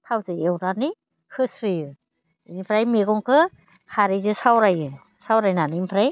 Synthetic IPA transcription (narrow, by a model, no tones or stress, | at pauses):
tʰawzɯewɾani | hʰɯsɾijɯ | inipʰɾajmeɡɔŋkʰɯ | kʰaɾizɯsawɾajɯ | sawɾajnanimpʰɾaj